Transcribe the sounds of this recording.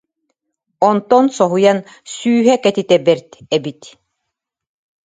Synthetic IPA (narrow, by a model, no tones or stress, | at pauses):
ɔnt̪ɔnsɔɦujan | syːɦɛkɛt̪it̪ɛbɛɾt̪ɛbit̪